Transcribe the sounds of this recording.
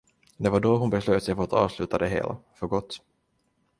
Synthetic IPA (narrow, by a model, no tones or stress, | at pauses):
d̪ɛvaɖɔɦʊnbɛsløːt̪sɛjfœɔat̪ːɑ̰ːvslʉ̟ːt̪ad̪ɛɦḛːlʔa̰fœɾɡɔt̪ː